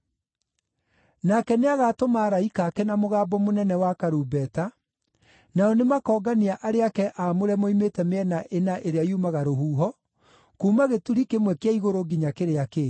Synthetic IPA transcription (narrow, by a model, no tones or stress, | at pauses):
nakɛneaɣaːtomaːɾaikakɛnamoɣaːbɔmonɛnɛwakaɾuːbɛta | naɔnemakɔːɡaniaʔaɾeakɛʔamoɾɛmoimetɛmeɛnaʔenaʔeɾeajumaɣaɾoɦuːɦɔ | kuːmaɣetuɾikemwɛkeaiɣoɾoɡiɲakeɾeake